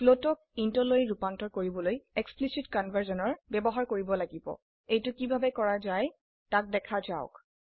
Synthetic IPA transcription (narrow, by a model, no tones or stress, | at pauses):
klotɔk̚intoloɹiɹupantɔɹkoɹibɔlojɛksplisitkɔnbʱaɹzɔnɔɹbɛbɔɦaɹkoɹibɔlaɡibɔ̰ | ejtʊkibʱabɛkɔɹazaj | tak̚dɛkʰazaʊ̰k